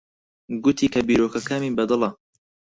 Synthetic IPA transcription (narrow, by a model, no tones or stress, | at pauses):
ɡʊt̪ʰiːkɐbiːɾoːkɐkaːmiːbɐd̪ɨlɐ